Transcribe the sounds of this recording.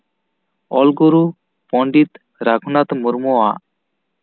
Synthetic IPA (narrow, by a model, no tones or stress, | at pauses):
ɔlɡuɾu | pɔɳɖit̪ | ɾakʰunat̪muɾmɔwaʔ